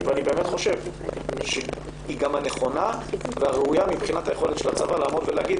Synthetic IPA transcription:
veanibeːmet̪χo̞ʃe̞vʃe | iɡamhaneχo̞naveaʁeujamibχinathajeχo̞let̪ʃelat͡savalaːmo̞d̪veleaɡid̪̚

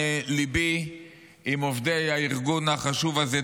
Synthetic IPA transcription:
libi | imovdejaiʁɡunaχaʃuvaze

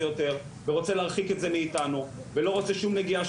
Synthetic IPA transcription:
jo̞te̞ʁ | veʁot͡se̞leaʁχiketze̞miːtanuvelo̞ʁot͡se̞ʃumneɡiaʃ

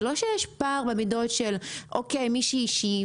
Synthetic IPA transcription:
lo̞ʃejɛʃpaʁbemido̞tʃelʔokejmiʃiʃi

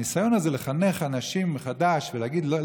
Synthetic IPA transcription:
nisajonazeleχaneχanaʃimeχad̪aʃveleaɡid̪lol

